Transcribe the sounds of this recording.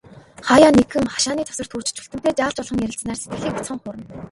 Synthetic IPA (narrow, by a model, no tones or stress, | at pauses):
χajaːnekxɘ̆ŋχḁʃaːniːt̪ʰɔ̥sɞ̆rt̪xuːr̥t͡ɕɪ̥̆t͡ɕʰu̥ɬt̪ɘ̆m̥t̪eːt͡ɕaːɮt͡ɕɔɮʁə̆ŋjæɾʲɪ̆t͡snaːrset̪ɡɘ̆ɮiːkʊt͡sχə̆ɴχʊɾə̆n